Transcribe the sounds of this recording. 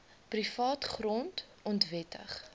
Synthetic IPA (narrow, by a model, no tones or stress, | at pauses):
prifɑːtχrɔnt | ɔntvɛtə̰χ